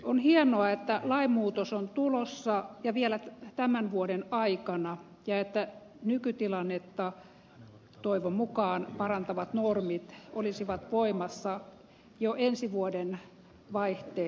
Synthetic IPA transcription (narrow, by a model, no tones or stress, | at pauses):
onhienoɑet̪ːælɑimmuːt̪osont̪ulosːɑjɑʋielæt̪æmænʋuodenɑikɑnɑ | jɑet̪ːæ | nykyt̪ilɑnːet̪ːɑ | t̪oiʋommukɑːnpɑrɑnt̪ɑʋɑt̪normit̪olisiʋɑt̪ʋoimɑsːɑ | joʔensiʋuoden | ʋɑiht̪eː